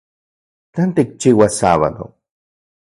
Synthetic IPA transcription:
t̪ant̪ik̚t͡ʃiwasaβa̰d̪o̰

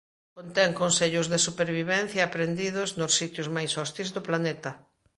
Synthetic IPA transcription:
kont̪ɛŋkonseʎʊzðesupeɾβiβɛn̟θjaːpɾend̪iðʊznʊsːit̪jʊzmajsɔst̪izðoplanet̪ɐ

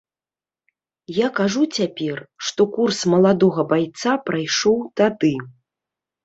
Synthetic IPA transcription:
jakaʐut͡sʲapʲɛrʂt̪ɔkursmɐlˠad̪ɔɣɐbajt̪sapɾajʂɔwt̪ad̪ɨ

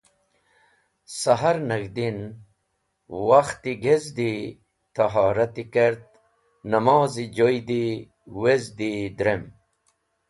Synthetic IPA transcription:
sɐɦaɾnɐɡd̪in | waxt̪iɡezd̪i | t̪aɦaːɾɐt̪ikeɾt̪̚ | nɐmaːzid͡ʑojd̪i | wezd̪id̪ɾem

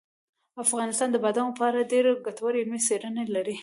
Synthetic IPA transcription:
afɣɑnɪst̪ɑnd̪əbad̪ɑnapɑɾaɖeɾɡat̪awaɾeɪlmiseɾənelaɾi

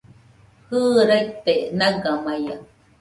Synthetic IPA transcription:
hɯːɾajt̪eʔnaɡamaja

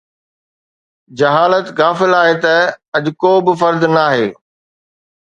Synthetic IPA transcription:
d͡ʑɐɦaːlət̪ɣaːfɪlaːɦet̪ɐɐʄʊkoːbɪfɐɾd̪naːɦeː

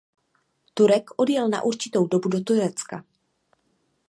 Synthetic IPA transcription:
t̪uɾɛkʰʔo̞djɛlna̰ʔuɾt͡ʃɪt̪owdo̞budo̞t̪uɾɛt͡ska

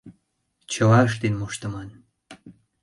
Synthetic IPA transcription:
t͡ɕə̆lɑəʃ̬t̪enmoʃt̪əmɑn

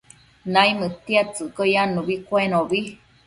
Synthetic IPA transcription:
naimɨt̪iat͡sɨkojanuβikʷenoβi

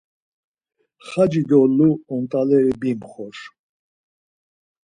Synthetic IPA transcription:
χad͡ʒid̪ɔluɔnt̪ʼalɛɾibimχɔʃ

